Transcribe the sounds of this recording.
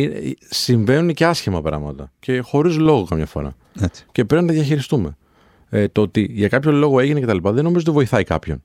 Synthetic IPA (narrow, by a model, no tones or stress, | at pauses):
insiɱve̞nuneceɐsçimɐpɾɐ̰ɣmɐt̪ɐce̞xo̞ɾizlo̞ɣo̞kɐmɲɐfo̞̰ɾɐ̰ | e̥ce̞pɾepinɐt̪ɐðʝɐçiɾist̪ume̞ | t̪oot̪iʝɐkɐpço̞lo̞ɣo̞e̞ʝinece̞t̪ɐlipɐðeno̞mizot̪̬vo̞iθɐikɐ̰pço̞n